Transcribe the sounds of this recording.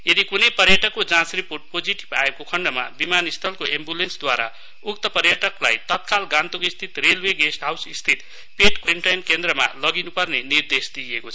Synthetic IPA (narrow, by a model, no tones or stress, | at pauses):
jed̪ikunʌjpʌrjʌʈʌkːod͡zãt͡sripoʈ̚pod͡ziʈi̥baekokʰʌɳɖʌma̰bimanist̪ʰʌlkoʔembulensd̪waɾa̰ | uk̚t̪ʌpʌrjʌʈʌkla̰jt̪ʌt̪̚kalɡãnt̪ukist̪ʰit̪relweɡesʈɦawsist̪ʰit̪ | peʈkwiɳʈajnkend̪rʌma̰lʌɡinupʌrnenird̪esd̪iekot͡sʰʌ